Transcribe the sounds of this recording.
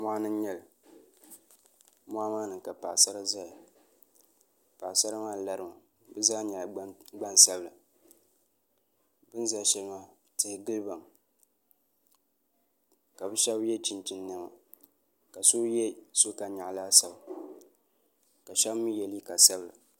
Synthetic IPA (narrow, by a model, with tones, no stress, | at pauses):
mʷa˦nɨ˦ɲɛ˨l | mʷa˦maː˦nɨ˨ŋka˨pa̰˨sa˦ɾa˦za˦ja˨ | pa˨sa˦ɾa˦maː˦˨la˦ɾɨ˨ma˨ | bɨ˦zaː˦ɲa˨ɡ͡ba˦nsa˦bla˨ | bɨ˦n˦za˦ʃɛ˦lmaː˦ | tɨ˨˦hɪ˦ɡɨ˦lɨ˦ba˨m | ka˨bɨ˦ʃɛ˦bjɛ˦t͡ʃi˨nt͡ʃi˦nːa˦ma̰˨ | ka˨so˦jɛ˦so˦ka˨ɲa˨ʔlaː˦sa˨ | ka˨ʃa˦bmɨ˦jɛ˨li˦ka˨sa˦bla̰˨